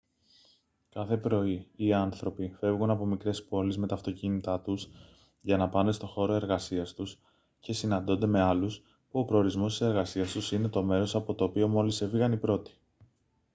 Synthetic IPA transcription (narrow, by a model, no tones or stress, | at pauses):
kɐθe̞pɾo̞iːɐnθɾo̞pife̞vɣunɐpo̞mikɾe̞spo̞lizme̞t̪ɐːft̪o̞cinit̪ɐt̪us | ʝɐnɐpɐnest̪o̞xo̞ɾo̞e̞ɾɣɐsiɐst̪us | ce̞sinɐnd̪o̞nd̪e̞me̞ɐlus | puo̞pɾo̞ːɾizmo̞st̪ise̞ɾɣɐsiɐst̪usine̞t̪o̞me̞ɾo̞sɐpo̞t̪o̞ːpio̞mo̞lise̞fiɣɐnipɾo̞t̪i̥